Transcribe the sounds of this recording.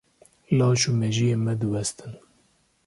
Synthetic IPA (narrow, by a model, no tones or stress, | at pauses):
lɑːʃumɛʒijeːmɛd̪ɨwɛst̪ɨn